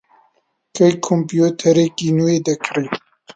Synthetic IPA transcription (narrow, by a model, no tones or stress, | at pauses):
kʰɐjkʰompjut̪ʰɐɾeːkinued̪ɐkʰɾi